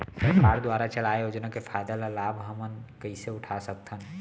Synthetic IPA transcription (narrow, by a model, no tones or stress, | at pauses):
səɾkaːɾd̪waːɾat͡ʃəlaːejoːd͡ʒnakepʰaːd̪alalaːbɦəmənkəiseʊʈʰasək̚t̪ʰən